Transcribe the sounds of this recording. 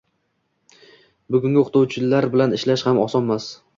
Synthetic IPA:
bʊɡʲʊŋɡʲɪʊqt̪ʰowt͡ʃʰɪlaɾbɪlanɪʃlaʃhamɒsɒnmas

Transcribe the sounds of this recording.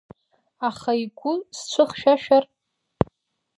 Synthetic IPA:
aχaiɡʷʊst͡ɕʷʰɨχʃᶣaʃᶣar

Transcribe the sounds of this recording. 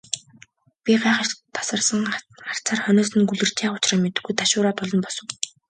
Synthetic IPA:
pʲiɢæːχə̆t̪ʰḁsə̆rsə̆ŋχar̥t͡sʰaːrχœneːsɘ̆nɡuɮɘ̆r̥t͡ɕʰeːχʊ̥t͡ɕraːmet̪ɘ̆ɡujt̪ʰaʃʊːɾaːp̪ɔɮɞ̆npɔsɞ̆w

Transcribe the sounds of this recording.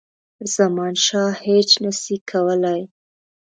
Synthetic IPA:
z̥amɑnʃɑhet͡ʃnəsikʰawəlaj

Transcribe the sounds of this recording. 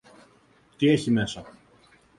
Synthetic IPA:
t̪ie̞çime̞sɐ

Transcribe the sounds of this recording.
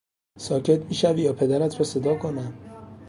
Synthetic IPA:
sɒːcʰet̪miːʃæviːjɒːpʰe̞d̪æɾæt̪ʰɾɒse̞d̪ɒːkʰonæm

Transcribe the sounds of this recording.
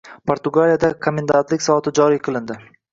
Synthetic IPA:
pʰoɾt̪ʊɡalijad̪akʰomʲend̪ant̪lɪkʲsɒvɒt̪ʰɪd͡ʒɒɾijqʰɨlˠɪnd̪ɪ

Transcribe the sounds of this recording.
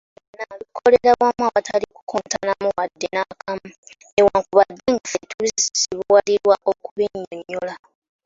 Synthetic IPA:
nalukʰo̞leɾaβwamwawataliku̥kʰontanamuwadːenakʰamu | ewaŋkuβad̪ːeŋɡafetuβizisi̥siβuwaliɾwaʔokuβeɲːoɲːola

